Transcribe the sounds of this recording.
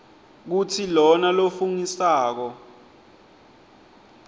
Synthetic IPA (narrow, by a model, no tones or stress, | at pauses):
k̬utʰilɔnalofuŋisaːk̬ɔ